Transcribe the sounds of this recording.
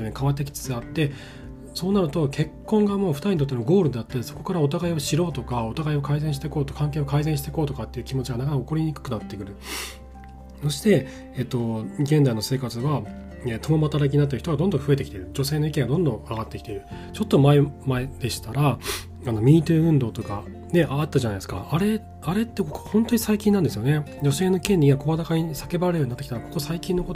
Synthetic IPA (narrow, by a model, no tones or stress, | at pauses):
onekaβat̪̬ːe̞k̬ʲi̥t͡sɨ̥t͡sɨat̪ːe̞ | so̞ːnaɾɯ̟t̪o̞kʰe̞kːõ̞ŋɡamo̞ːɸɯ̟t̪aiɲ̟it̪ot̪ːemoɡo̞ːɾɯ̟d̪e̞at̪ːad̪eso̞̥ko̞kaɾao̞t̪aɡaiβoɕiɾo̞ːt̪okao̞t̪aɡaio̞kaizẽ̞ɕi̥t̪e̞ko̞ːt̪okãŋk̬e̞ːokaizẽɕit̪eko̞ːt̪okat̪ːe̞iɯ̟kʲimo̞t͡ɕiɡanak̬anakaoko̞ɾʲiɲ̟ikɯ̟̥kɯ̟nat̪ːe̞kɯ̟ɾɯ̟ | so̞ɕi̥t̪e̞ | et̪ːo̞ɡẽ̞nzaino̞se̞ːkat͡sɨβa | et̪o̞momat̪aɾak̬ʲiɲinat̪̬ːeɯ̟ç̥it̪oɡad̪o̞nd̪õɸɯ̟e̞t̪e̞kʲit̪eɾɯ̟d͡ʑo̞seːno̞ikẽ̞ŋɡad̪õ̞nd̪õ̞aɡat̪ːe̞kʲi̥t̪eɾɯ̟ | t͡ɕo̞t̪ːo̞maemaed̪̥e̞ɕi̥t̪aɾa | ano̞mʲiːt̪ɯɯ̟̃nd̪o̞ːt̪o̞ka | ne̞ʔat̪ːaʑanaj̪esɨ̥ka̰aɾe̞ | aɾe̞t̪ːe̞koko̥hõ̞nt̪o̞ɲ̟isaikʲĩnːãnd̪e̞s̬ɨjo̞ne̞d͡ʑo̞se̞ːnoikẽ̞ɲːʲiɡako̞βad̪akaɲ̟isake̞baɾeɾɯ̟jo̞ɲ̟inat̪ːekʲi̥t̪aɾakoko̞saikʲĩnːo̞kot̪o